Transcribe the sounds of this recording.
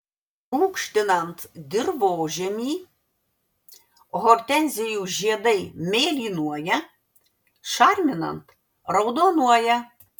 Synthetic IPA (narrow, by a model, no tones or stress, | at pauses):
lˠuːkʃʲt̪ʲɪnɐnt̪d̪ʲɪɾʋooːʒʲɛmʲiː | ɣɔɾʲt̪ʲɛnʲzʲɛjuːʒʲiɛd̪ɐɪmʲeːlʲiːnuɔjɛ | ʃɑɾʲmʲɪnɐ̰nt̪ | ɾɐʊd̪onuɔjɛ